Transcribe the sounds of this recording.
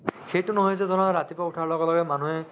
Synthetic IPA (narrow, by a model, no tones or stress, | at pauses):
xejtʊnɔɦɔjzɛzɔnɔɹatipɔutʰaɹlɔɡɔlɔɡɛmanuɦɛ